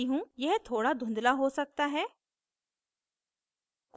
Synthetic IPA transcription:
iɦũjɛɦt̪ʰoːɽad̪ʱʊ̃nd̪laɦosɐk̚t̪aɦɛː | k

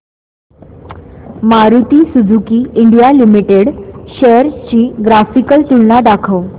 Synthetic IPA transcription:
maɾut̪isud͡zʱukiːiɳɖijalimiʈeɽɕejəɾt͡ɕiːɡɾafikəlt̪uɭnad̪akʰəw

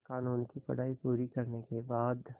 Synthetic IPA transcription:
kaːnuːnkipɐ̰ɽaːipuːɾikɐɾnekebaːd̪

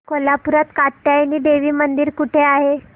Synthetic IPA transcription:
kolapuɾat̪kaʈ̚t̪jajniːɖeʋiːmənd̪iːɾkuʈʰeaɦe

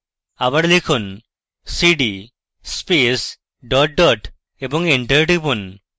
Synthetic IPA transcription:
abɐɽlikʰun | siɖi | spes | ɖɔʈ̚ɖɔʈ | ebɔŋɡeɳʈəɾʈipun

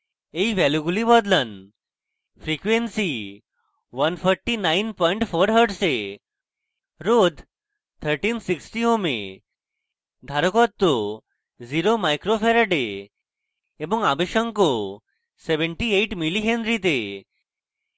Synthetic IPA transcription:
eiʋɛloɡulibɔd̪lən | fɾikʋensi | ʋənfʰɔɾʈːinainpɔ̃iɳʈfoɾɦəɖse | ɾod̪ʱ | t̪ʰəɾʈinsiksʈiomḛ | d̪ʱaɾəkɔt̪ːo | ziɾomajkɾofeɾəɖe | ebɔŋɡabeɕəŋko | seʋə̃ɳʈieiʈmiliɦẽnd̪ɾit̪e

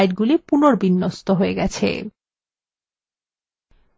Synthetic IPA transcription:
jʈɡulipunoɾbinːost̪oɦoeɡɛt͡ɕʰḛ

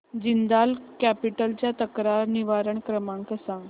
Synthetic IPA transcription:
d͡ʑind̪alkæpiʈəlt͡ɕjat̪əkɾaɾniʋaɾəɳkɾəmãŋkəsãŋɡ

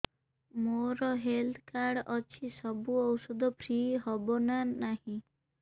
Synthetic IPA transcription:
moɾɔɦelt̪ʰkaɾɽɔt͡ʃʰisɔbuɔwsɔd̪ɔpʰɾiɦɔbɔnanahĩ

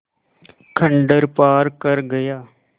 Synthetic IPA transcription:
kʰə̃ɳɖəɾpaːɾkəɾɡəjaː

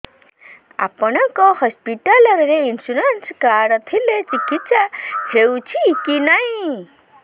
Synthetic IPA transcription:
a̰pɔnʌkohɔspiʈalʌɾɾeinsuɾenskaɽʌt̪ʰilet͡sikit̪sahʰewt͡sʰikinaj

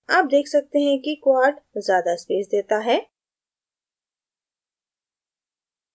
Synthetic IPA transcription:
aːp̚d̪eːkʰsɐk̚t̪eɦɛ̃kikwaːɾʈzjaːd̪aɪspeːsd̪eːt̪aɦɛː

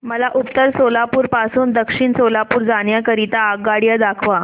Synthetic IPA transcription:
məlaʔupt̪əɾsolapuːɾpasuːnd̪əkʂiɳsolapuːɾd͡zaɳjakəɾit̪aːɡɡaɽjəd̪akʰʋa

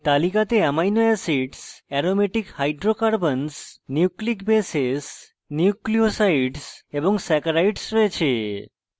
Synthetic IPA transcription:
t̪alikat̪eɛmajnɔasiɖsɛɾomeʈikhajɖɾokaɾbənsniuklikbeses | niukliosajɖseboŋsɛkaɾajʈsɾɔet͡ɕʰe

